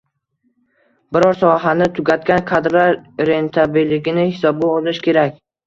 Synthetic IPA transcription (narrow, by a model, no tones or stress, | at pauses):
bɪɾɒɾsɒɦanɪt̪ʰʊɡʲat̪kʲankʰad̪ɾaɾɾe̞nt̪ʰabilːɪɡʲɪnɪhɪsɒbaɒlˠɪʃkʲe̞ɾakʲ